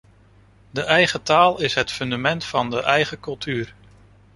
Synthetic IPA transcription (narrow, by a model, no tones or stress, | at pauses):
dəʔɛjχətaːlˠɪsɦətfɵndamɛntfɑndəʔɛjχəkɵlˠtyːr